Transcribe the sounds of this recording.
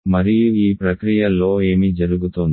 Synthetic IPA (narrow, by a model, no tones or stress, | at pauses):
mɐɾijuiːpɾɐkɾijɐlːo̞ːe̞ːmid͡ʒɐɾuɡut̪und̪i